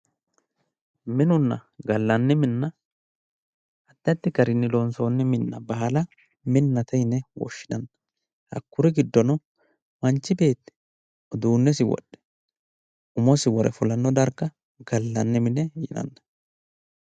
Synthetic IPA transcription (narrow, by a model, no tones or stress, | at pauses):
mɪnʊnːɐ̰ɡɐlːɐnːɛmɪnːɐ | ɐd̪ːɐt̪ːɪɡɐɾɪnːɪlonso̞ːnːɛmɪnːɐbɐɐlɐ | mɪnːɐt̪ɛjnːɛwɔ̰ʃːɪnɐnːɐ | hɐ̰kːʊɾɛɡɪd̪ːɔnɔ | mɐnt͡ʃːɪbe̞ːt̪ːɛ̥ | ɔd̪uːnːɛs̬ɪwɔ̰ɗːɛ̥ | ʊmɔsɪwɔɾɛ̰fʊlɐnːɔd̪ɐɾkːɐ | ɡɐlːɐnːɛmɪnɛjɪ̰nɐ̰nːɐ